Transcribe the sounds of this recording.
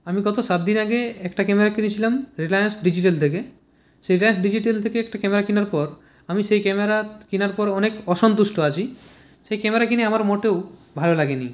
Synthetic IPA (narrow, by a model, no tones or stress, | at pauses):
amiɡɔt̪osat̪̚d̪inaɡeɛkʈakɛmeɾakinit͡ɕʰilamɾilajansɖid͡ʑiʈelt̪ʰek̬e | ʃeɾilajnsɖid͡ʑiʈelt̪ʰekeɛk̚ʈakɛmeɾakinaɾpɔɾ | amiʃejkɛmeɾakinaɾpɔɾɔnekɔʃɔnt̪usʈoat͡ɕʰi | ʃejkɛmeɾakiniamaɾmoʈewbʱalolaɡeni